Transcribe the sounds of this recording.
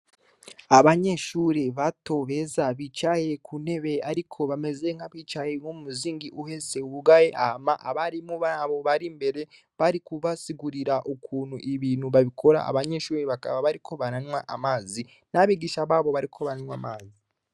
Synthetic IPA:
aβaɲe̞ʃuːɾeβato̞βe̞zaβit͡ʃaje̞kʰune̞βe̞aɾikʰo̞βame̞ze̞ŋaβiːt͡ʃaje̞ŋoumuziːŋɡiʔuhe̞se̞uβuɡajeʔa̰hamaʔaβaɾimuβaβo̞βaɾimbe̞ɾe̞ | βaɾikuβasiɡuɾiɾaʔukʰuːnhuʔiβiːnhuβaβikʰo̞ɾa̰a̰βaɲe̞ʃuːɾeβaka̰βaβaɾikʰo̞βaɾanwaʔamaːzi | naβiɡiʃaβaβo̞βaɾikʰo̞βananwamaːzi

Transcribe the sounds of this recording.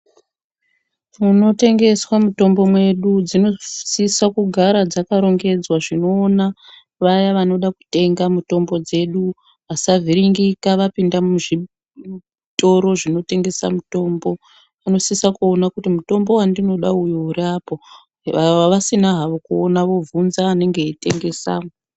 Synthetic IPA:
muno̞te̞ŋɡe̞swamuto̞mbo̞mwe̞ɗud͡zino̞sisakuɡʱaɾad͡zakaɾo̞ŋɡe̞d͡zwaʐino̞ːna | ʋajaʋano̞ɗaku̥te̞ŋɡamuto̞mbo̞d͡ze̞ɗu | ʋasavʱiɾiŋɡikaʋapindamuʐi | to̞ɾo̞ʐino̞te̞ŋɡe̞sa̰muto̞ːmbo̞ | ano̞sisakuonakutimuto̞mbo̞wandino̞ɗaujourapo̞ | aʋasinaɦaʋo̞kuonaʋo̞vunzaːne̞ŋɡe̞ite̞ŋɡe̞sa̰ːmo

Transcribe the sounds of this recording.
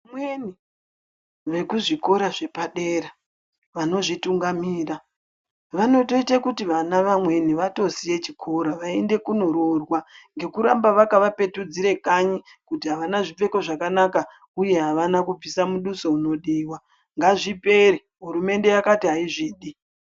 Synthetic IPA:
amweni | ʋe̞kuʐiko̞ɾaʐe̞paɗe̞ːɾa | ʋano̞ʐituŋɡamiːra | ʋano̞to̞itakutiʋanaʋamwe̞niʋato̞sije̞t͡ʃikʰo̞ɾaʋae̞nde̞kuno̞ɾorwaŋɡe̞kuɾambaʋakaʋape̞tud͡ziɾe̞kaɲi | kutiɦaʋanaʐip͡fe̞ko̞ʐakanaka | uje̞ɦaʋanakub͡visamuɗuso̞uno̞ɗiːwa | ŋɡaʐipe̞ɾi | ɦuɾume̞nde̞jakatiɦaiʐiːɗi

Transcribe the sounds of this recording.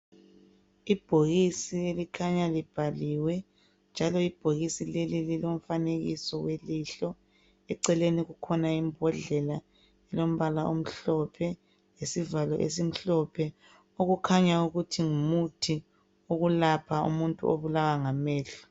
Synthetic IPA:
ib̥ʱoɣisielikʰaɲalib̥ʱaliwɛ | nd͡ʒʱalɔib̥ʱoɣisilelililom̩faneɣisɔweliɬɔ | ɛǀɛleniɣukʰɔnaimbʱɔɮɛla | ɛlom̩βalaʔom̩ɬɔpʰɛ | jesivalɔ̰ʔḛs̬im̩ɬɔpʰɛ | oɣukʰaɲauɣutʰiŋumutʰi | oɣulapʰaṵmuntʼṵoβulawaŋamɛːɬɔ̥

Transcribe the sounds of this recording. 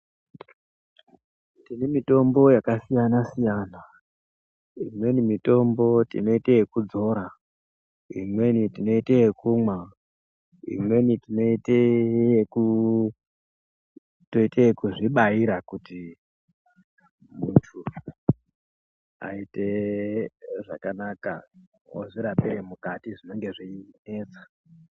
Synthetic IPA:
tinemito̞mbo̞jakasijanasijaːna | imwe̞nimito̞mbo̞tḭno̞itejekud͡zo̞ɾa | ḭmwe̞nitino̞itejekumwa | ḭmwe̞nitino̞iteku | toiteekuʐiɓaiɾakuti | mutʰu | a̰ite̞ | ʐa̰kanaka̰ | o̰ʐiɾapeɾemukatiʐino̞ŋɡe̞ʐiine̞ːt͡sḁ

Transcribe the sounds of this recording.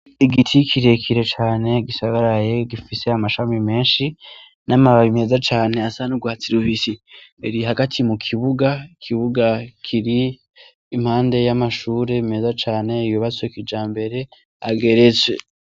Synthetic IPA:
iɡitʰikʰiɾe̞kʰiɾe̞t͡ʃaːne̞ɡisaɡaɾajeɡifise̞amaʃamime̞ːnʃi | namaβaβime̞ːzat͡ʃaːne̞asanuɡwaːt͡siɾuβisieɾiɦaɡatʰimukʰiβuɡaikʰiβuɡakʰiɾiː | mhaːnde̞jamaʃuːɾe̞ime̞ːzat͡ʃaːne̞ijuβat͡sekid͡ʒaːmbe̞ɾe̞ | a̰ɡe̞ɾe̞t͡swe̞

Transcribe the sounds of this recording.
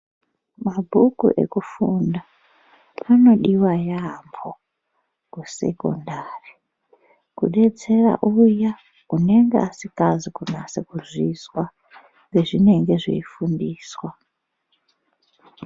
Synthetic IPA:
mabʱukṵʔḛkufunda | ano̞ɗiwajambʰo | kuse̞̰ko̰ndari | kṵɗe̞t͡se̞ra̰ʔuja | une̞ŋɡeasikazikunasekuzʷizwa | ŋeʐine̞ŋɡe̞ʐḛifundiːswa

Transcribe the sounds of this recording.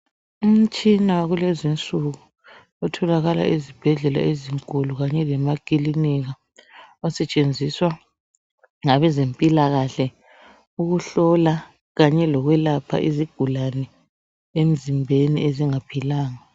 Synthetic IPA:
um̩t͡ʃʼinawɣulezint͡sʼuɣu | ɔtʰɔlaɣala̰ʔizib̥ʱɛɮɛla̰eziŋkʼuluɣaɲɛlɛmakʼiliniɣa | ɔsɛt͡ʃʼend͡zʱiswa | ŋaβɛzempʼilaɣaɬɛ | uɣuɬɔla | ɣaɲɛlɔɣwɛlapʰa̰ʔiziɡ̥ʱulanɛ | em̩zimbʱenḭeziŋapʰilaːŋa

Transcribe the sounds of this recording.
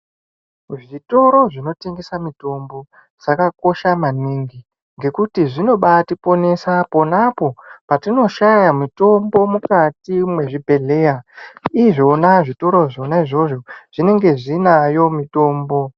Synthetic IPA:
ʐito̞ɾo̞ʐino̞te̞ŋɡe̞samito̞mbo̞ | d͡zakako̞ʃamaniŋɡi | ŋɡe̞kutiʐino̞ɓatipo̞ne̞sapo̞napo̞patino̞ʃajamito̞mbo̞mukatimwe̞ʐibʱe̞ɮe̞ːjaiʐo̞naʐito̞ɾo̞ʐonaiʐo̞ʐo̞ʐ̥ine̞ŋɡe̞ʐinajo̞mito̞ːmbo̞

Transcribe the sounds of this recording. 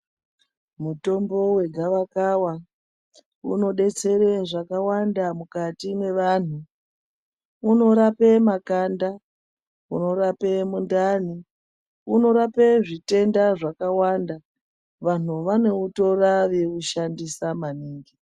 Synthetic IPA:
muto̞mbo̞we̞ɡʱaʋakawa | ṵno̞ɗe̞t͡se̞ɾeʐakawandamukatinwe̞ʋan̤u | no̞ɾapemakanda | uno̞ɾapemundani | uno̞ɾapeʐite̞ndaʐakawanda | ʋan̤uʋane̞uto̞raʋekuʃandisamaniːŋɡi

